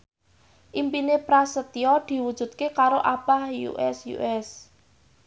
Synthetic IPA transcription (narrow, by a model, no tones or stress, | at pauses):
ʔimpinepɾasət̪iɔd̪̥i̤wud̥ʒ̥ṳt̪̚kekaɾoʔab̥ahjṵʔɛsjṵʔɛs